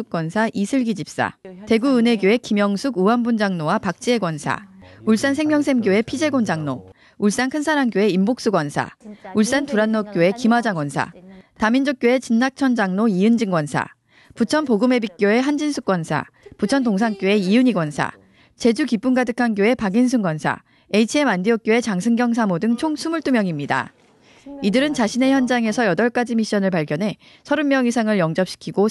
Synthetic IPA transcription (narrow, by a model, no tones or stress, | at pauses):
uk͈wʌnsʰaʔisʰɯɭɡid͡ʑip̚s͈a̰te̞ɡuɯne̞ɡjoe̞kimjʌŋsʰuɡuambund͡ʑaŋnowapak̚t͡ɕ͈ie̞ɡwʌnsʰa̰uɭs͈ans̬ʰe̞ŋmjʌŋsʰe̞mɡjoe̞pʰid͡ʑe̞ɡond͡ʑaŋno | uɭs͈ankʰɯnsʰaɾankjoe̞imbok̚s͈uɡwʌnsʰa̰uɭs͈antuɾanːok͈joe̞kimad͡ʑaŋwʌnsʰa̰tamind͡ʑok̚k͈joe̞t͡ɕinːak̚t͡ɕʰʌnd͡ʑaŋnoiɯnd͡ʑiŋɡwʌnsʰa̰ | put͡ɕʰʌnpoɡɯme̞bik͈̚joe̞ɦand͡ʑinsʰuk͈wʌnsʰa̰ | put͡ɕʰʌntoŋs̬ʰaŋk͈joe̞iuɲiɡwʌnsʰa̰ | t͡ɕe̞d͡ʑukip͈unɡadɯkʰanɡjoe̞paɡins̬ʰunɡwʌnsʰa̰ | e̞it͡ɕʰiemandiʌk̚k͈joe̞t͡ɕaŋsʰɯŋɡjʌŋs̬ʰamodɯŋt͡ɕʰoŋsʰumuɭt͈umjʌŋimɲida̰ | idɯɾɯnt͡ɕaɕʰine̞çjʌnd͡ʑaŋe̞sʰʌjʌdʌɭk͈ad͡ʑimiɕ͈ʌnɯɭpaɭk͈jʌnɦe̞ | sʰʌɾɯnmjʌŋisʰaŋɯɭjʌŋd͡ʑʌpɕ͈ʰi̥kʰiɡo